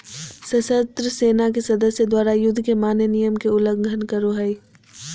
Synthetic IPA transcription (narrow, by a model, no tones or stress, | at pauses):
sɐsət̪ɾəseːnakesɐd̪əsjəd̪waːɾajʊd̪ʱːkemaːnenijəmkeʊləɡɡʱənkəɾoɦɛi